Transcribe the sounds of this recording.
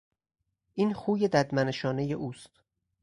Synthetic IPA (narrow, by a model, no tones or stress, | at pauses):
ʔiːnxuːje̞d̪æd̪mæneʃɒːne̞je̞ʔuːst̪